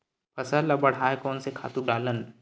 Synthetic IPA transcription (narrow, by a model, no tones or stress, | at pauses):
pʰɐsəlɐbɐɽ̤aːekɔːnsekʰa̰ːt̪ũɖaːlən